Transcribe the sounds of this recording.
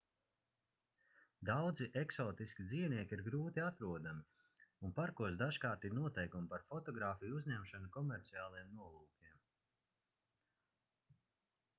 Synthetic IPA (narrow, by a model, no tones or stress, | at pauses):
d̪awd̪ziʔɛksɔːt̪iskʲid̪ziːvniɛkʲiɾɡɾuːt̪iat̪ɾuɔd̪ami | unpaɾkuɔs̬d̪aʒkaːɾt̪inuɔt̪ɛjkumpaɾfɔt̪ɔɡɾaːfijuzɲæmʃanukɔmɛɾt̪siaːlˠajɛmnuɔlˠuːkʲiɛm